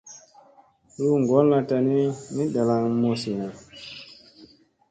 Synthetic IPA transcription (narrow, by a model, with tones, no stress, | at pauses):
ɾu˦ŋɡɔ˨˦lla˨ta˨ni˦ni˦ɗa˨la˦ŋmo˨si˨na˨